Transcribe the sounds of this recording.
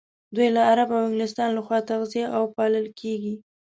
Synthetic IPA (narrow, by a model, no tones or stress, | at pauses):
d̪ujlaːɾabawɪŋɡlɪs̬t̪ɑnlaxwɑt̪aɣzijaʔawpɑləlkʰeɡi